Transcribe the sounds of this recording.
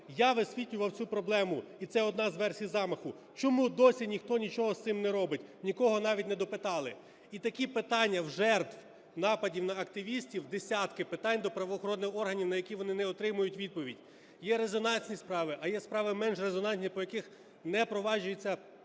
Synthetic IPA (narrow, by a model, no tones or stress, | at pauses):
jaʋɪsʲʋʲitʲlʲʊʋɐwt͡sʲupɾɔblˠɛmʊit̪sɛɔd̪nɑzʋɛrsʲijzɑmɐxʊ | t͡ʃɔmud̪ɔsʲinʲixt̪ɔnʲit͡ʃɔɦɔst̪sɪmnɛɾɔbɪtʲnʲikɔɦɔnɑʋʲitʲnɛd̪ɔpɪt̪ɑlˠɪ | it̪ɐkʲipɪt̪ɑnʲːɐwʒɛrt̪ʋ | nɑpɐdʲiwnɐɐkt̪ɪʋʲisʲtʲiwd̪esʲɑt̪kɪpɪt̪ɑnʲd̪ɔpɾɐʋɔxɔɾɔd̪ɪxɔrɦɐnʲiwnɐjɐkʲiʋɔnɪnɛɔt̪ɾɪmʊjʊtʲʋʲid̪̚pɔʋʲidʲ | jɛɾezɔnɑnʲsʲnʲispɾɑʋɪʔɐjɛspɾɑʋɪmɛnʒrezɔnɑnʲt̪ʲnʲipɔjɐkɪx | nɛpɾɔʋɑʒʊjet͡sʲːɐ